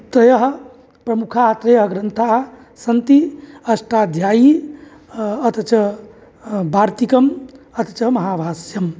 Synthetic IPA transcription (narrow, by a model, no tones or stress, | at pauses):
t̪ɐjɐɦ | pɾɐmukʰaɦt̪ɾɐjəɦɡɾɐnt̪ʰaːɦ | sɐnt̪iɐsʈaːd̪ʱjaːji | ɐt̪ɐt͡ʃɐɦ | bʱaːɾt̪ikɐmɐt̪ɐt͡ʃɐɦmɐɦaːʋʱaːsjɐm